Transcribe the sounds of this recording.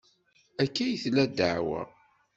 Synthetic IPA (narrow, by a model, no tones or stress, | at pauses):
ækːæjθlæd̪aʕwæ̰